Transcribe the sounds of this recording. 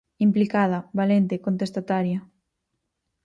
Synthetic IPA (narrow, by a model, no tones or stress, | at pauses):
implikað̞ɐβalent̪ekont̪est̪at̪aɾjɐ